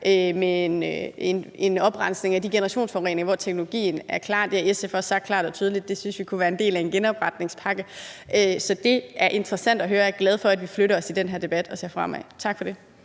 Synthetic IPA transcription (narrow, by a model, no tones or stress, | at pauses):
ʔømenene̝nɒ̽b̥ʁɑ̈n̰sne̝ŋæd̥iɡ̥e̝nɐʁɑ̈ɕo̝̰ːnsfɒʁḛːneŋʋɒt͡sʰeɡ̥no̝loɡ̥ḭːn̩æɐkʰlɑ̰̈ːd̥eæesefɒsɑ̈ɡ̥̚kʰlɑ̈ːd̥ɒ̽t͡sʰyːðˠəlid̥̚ːe̝synsʋikʰuʋæːɐe̝nde̝̰ːlæe̝nɡ̥enɒ̽b̥ʁɑ̈d̥ne̝ŋspʰɑ̈ɡ̥əʔøsɒ̽d̥e̝æɐʔe̝nd̥ʁɐsæn̰d̥ɒɦøːɐjæɡ̥lɛð̞ˠfɒ̽æd̥ʋifløɾɐɒ̽sid̥enɦeɐd̥e̝b̥æd̥ɒ̽se̝ɐfʁɑ̈mæ̰ɪt͡sʰɑ̈ɡ̥fɒ̽d̥e̝